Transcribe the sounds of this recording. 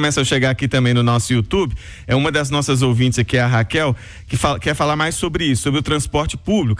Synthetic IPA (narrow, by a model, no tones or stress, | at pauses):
mɛsɐ̃ʃeɡaakit̪ɐ̃mbẽj̃nʊnɔsʊiut̪ubɪ | ɛũmɐd̪ɐznɔsɐzowvĩt͡ʃɪzakiɛɐɦakɛw | kɪfakɪɛɾfalaɾmajsːobɾɪisʊ̥sobɾɪʊt̪ɾɐ̃spɔɾt͡ʃɪpublik